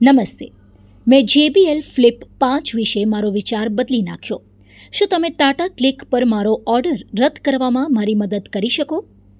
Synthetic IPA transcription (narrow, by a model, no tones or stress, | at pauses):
nəməst̪e | mɛ̃d͡ʒebielflipːãt͡ʃʋiʃemaɾoʋit͡ʃaɾbəd̪lina̰kʰjo | ʃũt̪əmẽt̪aʈaklikpəɾmaɾoʔɔɾɖəɾːəd̪kəɾʋamãmaɾiməd̪əd̪kəɾiʃəko